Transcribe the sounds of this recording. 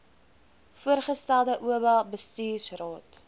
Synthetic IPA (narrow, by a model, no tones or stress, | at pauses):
fuərχəstælˠdəʔuəbælˠbəstiːsrɑːt